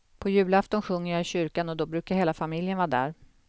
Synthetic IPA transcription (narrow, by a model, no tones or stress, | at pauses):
pʰɔjʉ̟ːlaft̪ɔnɧɵŋːəɾjaːɪɕʏɾkanɔd̪ɔbɾʉ̟ːkaɾheːlafamɪljənvɑːd̪æ̰ːɾ